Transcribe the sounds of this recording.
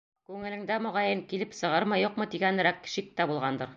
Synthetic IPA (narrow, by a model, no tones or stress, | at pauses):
kʉŋɘ̆lɘ̆ŋd̪æmŏʁɑjɤŋkilɘpsɤ̆ʁɤɾmɤjuqmɤt̪iɡænɘ̆ɾækːʃik̚t̪æbulˠʁɑnd̪ɤɾ